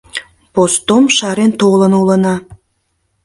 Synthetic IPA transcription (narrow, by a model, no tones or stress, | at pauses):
post̪omʃɑɾent̪olənulənɑ